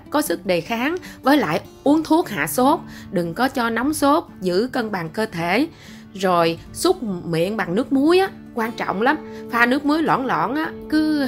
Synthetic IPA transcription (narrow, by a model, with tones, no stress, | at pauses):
kɔ˨˦sɨ˦˥k̚ɗe˨˩xaː˨˦ŋvəː˨˦jla̰ː˧˨j | ʔu˨˦ənt̪ʰu˦˥ək̚ha̰ː˧˨so˦˥t̚ɗɨ˨˩ŋkɔ˨˦t͡ɕɔ˧na˨˦wŋ͡mso˦˥t̚zɨ̰˧˥kə˧nɓaː˨˩ŋkəː˧t̪ʰe˧˩ | zo˨˩j | su˦˥t̚mḭ˧˨ənɓa˨˩ŋnɨ˦˥ək̚mu˨˦əjʔaː˨˦ | kwaː˧nt͡ɕɔ̰˧˨wŋ͡mla˨˦mfaː˧nɨ˦˥ək̚mu˨˦əjlwɔ̰˧˨nlɔ̰˧˨nʔaː˨˦kɨ˨˦